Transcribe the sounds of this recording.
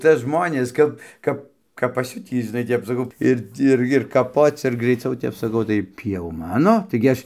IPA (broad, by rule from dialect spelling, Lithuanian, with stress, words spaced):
ˈt͡sʲɛ ˈʒmoːnʲeːs ˈkɐp ˈkɐp kɐp pɐˈsʲʊtʲiː ʒʲɪˈnɐɪ ˈtʲɛp sɐˈkɐʊ ˈɪr ˈɪr ɪr kɐˈpoːt͡s ɪr ɡrɐɪˈt͡sʲɛʊ ˈtʲɛp sɐˈkɐʊ tɐɪ ˈtʲiː jɛʊ ˈmɑːnoː ˈtɐɪɡʲɪ ˈɐʃ